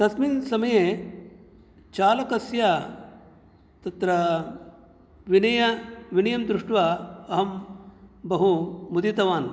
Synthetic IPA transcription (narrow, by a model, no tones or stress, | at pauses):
k̪ɐsmiːnsɐmɐje | t͡ʃaːlɐkɐsja | t̪ɐt̪ɾɐ | ʋinɐjɐʋinɐjɐmd̪ɾuʂʈʋaɐɦɐm | bɐɦumud̪it̪ɐʋaːn